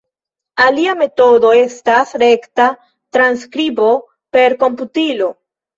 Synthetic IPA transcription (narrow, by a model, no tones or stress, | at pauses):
aliame̞to̞do̞e̞stasɾe̞kta | tɾanskɾibo̞ | pe̞ɾko̞mputilo̞